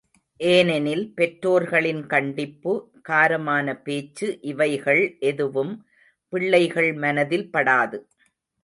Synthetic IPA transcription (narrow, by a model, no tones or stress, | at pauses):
ʔeːnɛnɪlpɛʈɾoːɾɣɐɭɪnkɐɳɖɪpːɯ | kaːɾɐmaːnɐpeːt͡ʃːɯʔɪʋɐɪɣɐɭʔɛðɯʋɯm | pɪɭːɐɪɣɐɭmɐnɐðɪlpɐɽaːðɯ